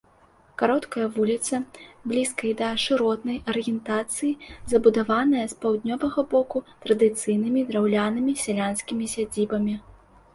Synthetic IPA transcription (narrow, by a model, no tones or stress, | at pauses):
kaɾɔt̪kɐjɐvulʲit̪sɐblʲiskɐjid̪ɐʂɨɾɔt̪nɐjʔɐɾɨjɛnt̪at̪sɨjizɐbud̪avanɐjɐspawd̪ʲnʲɔvɐɣɐbɔkut̪ɾɐd̪ɨt̪sɨjnɨmʲid̪ɾawlʲanɨmʲisʲɛlʲanskʲimʲisʲad͡zʲibɐmʲi